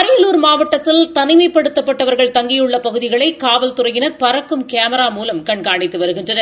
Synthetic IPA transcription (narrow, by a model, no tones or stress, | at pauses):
ɐɾɐjɐluːɾmaːʋɐʈːɐt̪ːɪlt̪ɐnɪmɐɪpːɐɽɯt̪ːɐpːɐʈːɐʋɐɾɣɐɭt̪ɐŋɡɪjɯɭːɐpɐɣɯðɪɣɐɭɐɪkaːʋɐlt̪ʊɾɐɪjɪnɐɾpɐɾɐkːɯmkeːmɐɾaːmuːlɐmkɐɳkaːɳɪt̪ːɯʋɐɾɯɣɪndrɐnɐɾ